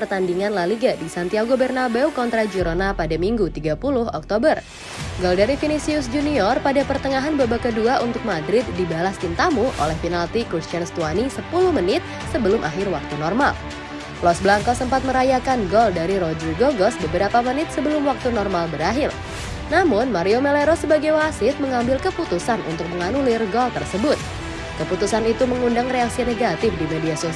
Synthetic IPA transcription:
pərt̪andiŋanlaliɡadisant̪iaɡobɛrnabɛwkɔnt̪ɾad͡ʒəɾonapadamiŋɡut̪iɡapulʊhɔk̚t̪obər | ɡɔldaɾifinisiʊsd͡ʒuniɔrpadapərt̪əŋaɦanbabakəduaʔunt̪ʊk̚madɾɪt̪̚dibalast̪int̪amuʔo̰lɛhfinalt̪ikust͡ʃanst̪uanisəpulʊhmənɪt̪̚ | səbəlʊmʔa̰ɦɪrwak̚t̪unɔrmal | plɔsbəlaŋkasəmpat̪̚məɾajakanɡɔldaɾiɾod͡ʒərɡoɡɔsbəbəɾapamənɪt̪̚səbəlʊmwak̚t̪unɔrmalbəɾaɦɪr | namʊnmaɾiomeleɾosəbaɡajwasɪt̪̚məŋambɪlkəput̪usanʔṵnt̪ʊk̚məŋanulɪrɡɔlt̪ə̰rsəbʊt̪̚ | kəput̪usanit̪uməŋundaŋreaksineɡat̪ɪfdimediaso

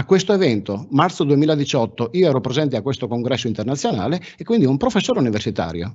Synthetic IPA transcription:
akːwest̪oevɛnt̪omart̪sod̪uemiːlad̪it͡ʃɔt̪ːoioɛːɾɔpɾezɛnt̪eakːwest̪okoŋɡɾɛsːoint̪ernat̪sːjona̰ːle | ekwind̪iumpɾofesːoːɾeuniversit̪a̰ːɾjo̰

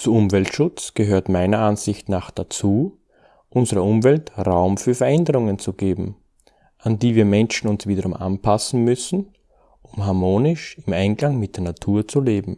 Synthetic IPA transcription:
t͡suʊmvɛltʃʊt͡sɡ̥əɦøːɐtmaɪnɐanzɪçtnaːχd̥at͡suː | ʔʊnzəʁəʊmvɛltʁaʊmfyːɐfɛɐɛndəʁʊŋənt͡suɡ̥eːbm̩ | ʔandiːviːɐmɛnʃn̩ʊnsv̥iːdɐʁʊmʔa̰npʰasn̩mʏsn̩ | ʔʊmɦaɐmoːnɪʃɪmaɪnɡlaŋmɪt̚d̥eːɐnatʰuːɐt͡suleːbm̩

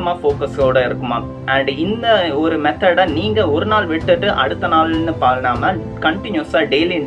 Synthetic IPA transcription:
ɐmaːfoːkɐsɣoːɽɐɪɾɯkːɯmaː | ʔɐɳɖɪnd̪ɐɔɾɯmɛt̪ːɐɽɐniːŋɡɐɔɾɯnaːlʋɪʈːɯʈːɯʔɐ̰ɽɯt̪ːɐnaːlnɯpaːɾnaːmɐ | kɐɳʈɪnjuɐsaːɖejli

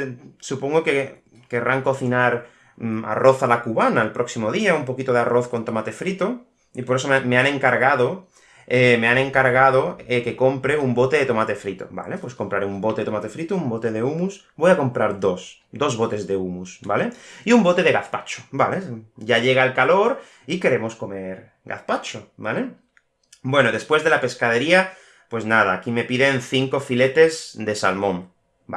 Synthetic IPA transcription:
supo̞ŋɡoke̞ | ke̞rʔaŋko̞θinaɾ | a̰ro̞θalakuβanaelpɾʔo̞ksimo̞ðiaumpo̞kit̪o̞ð̞earo̞θko̞nt̪o̞mat̪e̞fɾit̪o | ipo̞ɾe̞so̞mmeanẽ̞ŋkaɾɣað̞o̞ | emeanẽ̞ŋkaɾɣ̞aðo̞eke̞ko̞mpɾe̞umbo̞t̪e̞ðet̪o̞mat̪e̞fɾit̪o̰ba̰le̞pwe̞sko̞mpɾaɾeumbo̞t̪e̞et̪o̞mat̪e̞fɾit̪oumbo̞t̪e̞ð̞e̞umus | bo̞jako̞mpɾaɾðo̞s | d̪o̞zβo̞t̪e̞zðe̞umusbale̞iumbot̪e̞ð̞e̞ɣaθpat͡ʃo̥baleɟ͡ʝaʎe̞ɣ̞aelkalo̞ɾ | ike̞ɾe̞mo̞sko̞me̞ɾ | ɡa̰θpat͡ʃobale̞ | bwe̞noðe̞spwe̞zðe̞lape̞skað̞e̞ɾia | pwe̞znað̞aːkime̞piðe̞nθiŋko̞file̞t̪e̞zd̪e̞sa̰lmõ̞m | ba

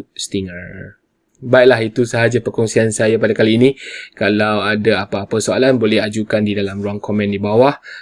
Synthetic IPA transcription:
st̪iŋar | baiʔlaɦit̪usəɦad͡ʒapərkɔŋsiansajapadakaliːnĩkalawadaapaːpasoalanbolɛhad͡ʒukandidalamɾuaŋkɔmɛ̃ndibawah

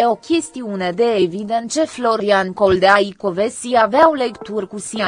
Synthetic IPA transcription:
o̞kʲe̞st̪iune̞d̪e̞ːvid̪e̞nt̪̚t͡ʃe̞flo̞ɾɾiankold̪eaiko̞vesiaveawlekt̪urʲkusi

